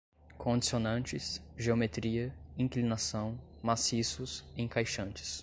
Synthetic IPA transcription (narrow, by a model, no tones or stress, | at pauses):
kʰõd͡ʒisionɐ̃nt͡ʃɪsʒeomet̪ɾiɐĩklinasɐ̃w̃masisʊsẽkajʃɐ̃nt͡ʃɪ̥s